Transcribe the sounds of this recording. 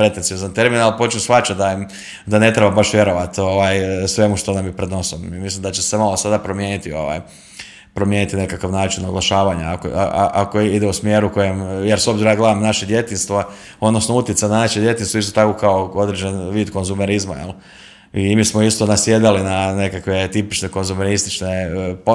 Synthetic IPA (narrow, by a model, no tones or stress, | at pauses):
pɾe̞t̪enziozant̪e̞ɾminalˠpo̞t͡ʃnusfat͡ʃatd̪aim | d̪ane̞t̪ɾebabaʃʋje̞ɾo̞ʋat̪o̞ʋaːjsʋe̞muʃt̪onamjepɾed̪no̞somimislimd̪at͡ɕesemalosad̪apɾo̞mjeːnit̪io̞̰ʋa̰j | pɾomjeːnit̪ine̞kakaʋnaːt͡ʃinoɡlˠaʃaːʋaɲaako̰a̰a̰ʔakoid̪eusmjeːɾuko̞jemjeɾsobziɾoaɡlaʋimnaʃed̪je̞t̪inst̪ʋo | o̞d̪nosnout̪jet̪sajnanaʃed̪je̞t̪inst̪ist̪ot̪akokaoo̞d̪ɾed͡ʑenʋiːd̪ko̞nzumeɾizma̰jel | imiːsmoist̪o̞nasjeːd̪alinane̞kakʋe̞t̪ipit͡ʃneko̞nzumeɾist̪it͡ʃne̞po